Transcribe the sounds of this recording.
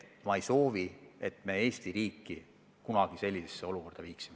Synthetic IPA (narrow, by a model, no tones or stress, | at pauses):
mɑejso̞ːvie̞t̪me̞e̞ːsʲt̪iɾiːkːi | kunɑɡ̥ise̞lʲːisesːe̞o̞luko̞rd̪ɑviːksime